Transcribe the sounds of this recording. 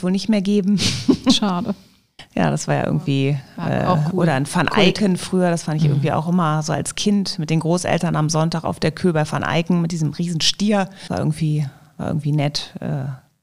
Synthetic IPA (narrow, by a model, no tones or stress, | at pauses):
sv̥oːlnɪçtmeːɐɡeːbm̩ʃaːdə | ja̰ːdasv̥aːɐja̰ʔɪ̰ɐɡŋ̩tv̥iːʔɛ̰ːʔoːɾɐnfanʔa̰ɪkənfʁ̥yːɐɾasfandɪçʔɪ̰ɐɡŋ̩tv̥iːʔa̰ʊxʔɪmɐzo̰ːa̰lskʰɪntmɪt̚d̥eːnɡʁoːsʔɛ̰ltɐnamzɔntaːka̰ʊfd̥eːɐkʰøːbaɪfa̰nʔa̰ɪkŋ̩mɪt̚d̥iːzəmʁiːzn̩ʃtiːɐaːɐɪ̰ːɡŋ̩tv̥iː | vaːɐɪ̰ɡŋ̩tv̥iːnɛtʔɛ̰ː